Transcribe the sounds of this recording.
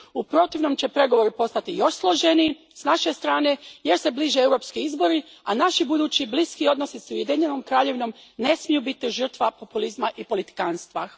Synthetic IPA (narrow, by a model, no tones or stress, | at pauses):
upɾo̞t̪iʋno̞mt͡ɕe̞pɾe̞ɡo̞ʋo̞ɾipo̞st̪at̪ijo̞ʃslˠoʒeni | snaʃe̞st̪ɾaːne̞je̞ɾse̞bliːʒeewɾo̞ːpskiizbo̞ɾi | anaʃibud̪uːt͡ɕibliskio̞d̪no̞sisujed̪iɲe̞no̞mkɾaːʎe̞ʋino̞mne̞smijubit̪iʒər̩t̪ʋapo̞pulizmaʔipo̞lit̪i̥kanst̪ʋa